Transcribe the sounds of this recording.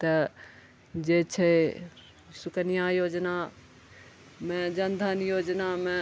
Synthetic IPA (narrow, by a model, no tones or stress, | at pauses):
t̪ɐ | d͡ʒet͡ʃʰe | sʊkənijajoːd͡ʒna | mẽd͡ʒənd̪ʱənjoːd͡ʒnamẽ